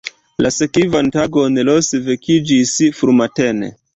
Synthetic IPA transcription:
lʔasekivantaɡo̞nlosvekid͡ʒisfɾumatenḛ

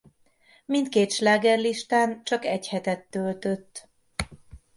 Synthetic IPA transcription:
mint̪̚keːt̪ʃlaːɡɛrliʃt̪aːnt͡ʃɒkɛchɛt̪ɛt̪ːølt̪øt̪ː

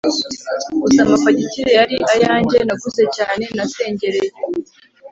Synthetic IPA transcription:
usamafaɟiciɾejaɾiʔajaːɲɟenaɡuze̞caːne̞nase̞ːɲɟe̞ɾeje

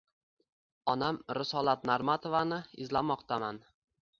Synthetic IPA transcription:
ɒnamɾɪsɒlˠat̪̚naɾmat̪ʰovanɪɪzlamɒqt̪ʰaman

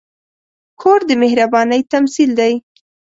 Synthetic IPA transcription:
kʰoɾd̪əmɪhɾabɑnəjt̪amsild̪aj

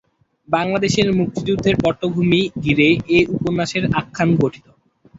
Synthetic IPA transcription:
baŋlad̪eʃeɾmuk̚t̪id͡ʑud̪ʱːeɾpɔʈːoɡʱumiɡiɾeʔeʔuponːaʃeɾakʰːanɡoʈʰi̥t̪o

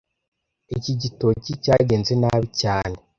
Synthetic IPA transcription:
iciɟito̞cicaːɟeːnzenaβicaːne

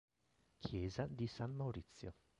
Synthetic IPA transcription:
kʰjɛːzad̪isanːawɾit̪sːjo̰

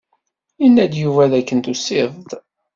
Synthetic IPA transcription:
inːæd̪juvæðækːənt̪usɪðˤð

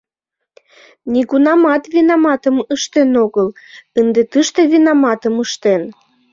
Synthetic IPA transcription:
nʲiɣunɑmɑt̪vinɑmɑt̪əməʃt̪enoɣəl | ənd̪et̪əʃt̪evinɑmɑt̪əməʃt̪en

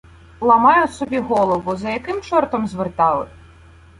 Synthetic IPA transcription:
lˠɐmɑjʊsɔbʲiɦɔlˠɔʋʊzɐjɐkɪmt͡ʃɔrt̪ɔmzʋɪrt̪ɑlˠɪ̰

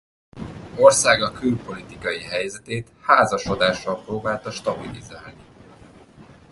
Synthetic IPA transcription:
o̞rsaːɡɒkylpo̞lit̪ikɒjiɦɛjzɛt̪eːt̪haːzɒʃo̞d̪aːʃːɒlproːbaːlt̪ɒʃt̪ɒbilḭzaːlni

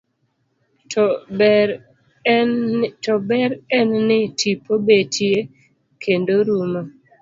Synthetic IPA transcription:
tɔbɛɾɛnːɪtʰipobetʰje | kʰendoɾumo

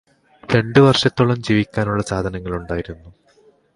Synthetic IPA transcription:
ɾe̞ɳɖɨʋɐrʂɐt̪ːoɭɐmd͡ʑiːʋikʲːaːnuɭːɐsaːd̪ʱɐnɐŋːɐɭuɳɖaːjiɾunːu

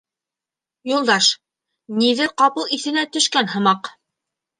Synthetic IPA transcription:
julˠd̪ɑʃ | niðɘɾqɑpɤlˠiθɘ̆næt̪ɵ̆ʃkænhɤ̆mɑq

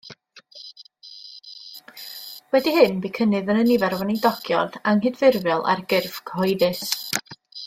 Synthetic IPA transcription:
wɛdiɦɨnbikʰənɨðənənɪvɛɾwɔnidɔɡ̥jɔ̰daŋɦɨdvɪrvɛlˠa̰rɡɪrv̥kʰhɔɨðɨs

